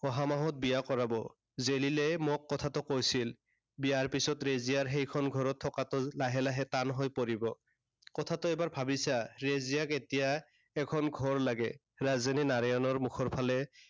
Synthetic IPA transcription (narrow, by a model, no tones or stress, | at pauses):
ɔɦamaɦɔt̚bijakɔɹabɔ | zelilɛmɔkːɔtʰatɔkojsil | bijaɹpisɔtɹezijaɹɦejkʰɔnɡʱɔɹɔtʰːɔkatɔlaɦɛlaɦɛtanɦojpoɹibɔ | kɔtʰatɔɛbaɹbʱabisaɹezijaketija | ɛkʰɔnɡʱɔɹlaɡɛ | ɹazaninaɹajɔnɔɹmukʰɔɹpʰalɛ